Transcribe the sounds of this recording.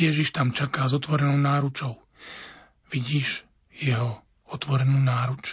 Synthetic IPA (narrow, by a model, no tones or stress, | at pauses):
jɛʒiʃt̪amt͡ʃakaːzɔt̪ʋɔɾɛnɔʊnaːɾut͡ʃɔʊ | ʋiɟiːʒ | jɛɦɔ | ɔt̪ʋɔɾɛnuːnaːɾut͡ʃ